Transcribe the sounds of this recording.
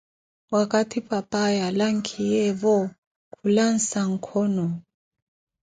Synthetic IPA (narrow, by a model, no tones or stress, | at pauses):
wakʼatʰipʼapʼajalaŋ̩kʰijɛβɔ | kʰulan̩saŋ̩kʰɔnɔ